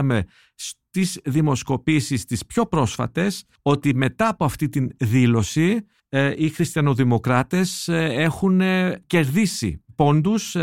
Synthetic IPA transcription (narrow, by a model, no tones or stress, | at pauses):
me̞ | st̪izðimo̞sko̞pisist̪ispço̞pɾo̞sfɐ̰t̪e̞s | o̞t̪ime̞t̪ɐːpo̞ɐft̪it̪inðilo̞si | ʔixɾist̪iɐno̞ðimo̞kɾɐt̪e̞se̞xunce̞ɾðisḭpo̞nd̪us